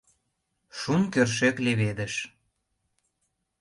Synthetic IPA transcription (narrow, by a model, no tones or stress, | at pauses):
ʃunkørʃ̬ekleβed̪ə̆ʃ